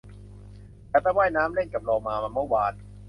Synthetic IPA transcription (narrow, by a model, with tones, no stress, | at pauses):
laː˧˦˩t̪a˧˩waː˥˩jnaː˦˥mle˥˩nka˨˩p̚lɔː˧ŋmaː˧ma˧mɯ˥˩waː˧n